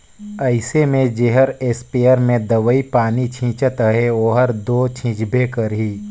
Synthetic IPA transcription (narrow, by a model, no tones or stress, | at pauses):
əɪsemẽd͡ʒeɦəɾeːspeːəɾmẽd̪əʋəipaːnit͡ʃʰĩːt͡ʃət̪əɦeoːɦəɾd̪oːt͡ʃʰĩːt͡ʃbʱekəɾɦiː